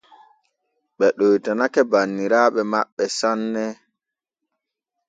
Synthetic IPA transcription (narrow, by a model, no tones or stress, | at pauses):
ɓɛɗojtanakɛbanːiɾaːɓɛma̰ɓːɛsanːɛ